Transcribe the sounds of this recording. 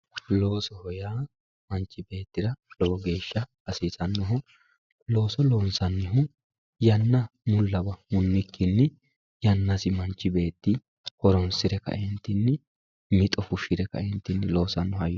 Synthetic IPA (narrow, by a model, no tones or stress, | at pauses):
lo̞ːsɔhɔjaː | mɐnt͡ʃːɪbe̞ːt̪ːɪɾɐlɔɔɡe̞ːʃːɐ | ɐsisɐnːɔɦʊ | lo̞ːsɔloːnsɐnːɪɦʊ | jɐnːɐmʊlːɐbɐmʊnːɪkːɪnːɪ | jɐnːɐsɪmɐnt͡ʃːɪbe̞ːt̪ːɪ | hɔɾɔnsɪɾɛkɐ̰ʔɪnt̪ːɪnːɪ | mɪt̪ʼɔfʊʃɪɾɛkːɐ̰ɪnt̪ːɪnːɪlo̞ːsɐnːɔhɐjɔ